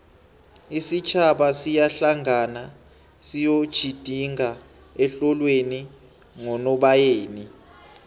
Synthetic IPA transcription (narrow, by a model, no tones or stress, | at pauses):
isit͡ʃʰaɓasijaɬaŋana | sijod̥ʒ̥ʱid̥ʱiŋa | ɛɬɔlweni | ŋɔnɔɓajeːni